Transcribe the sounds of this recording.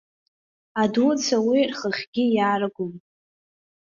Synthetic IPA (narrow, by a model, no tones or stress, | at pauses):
adut͡sʰawirχəχʲɡʲijaːrɨɡʷʊm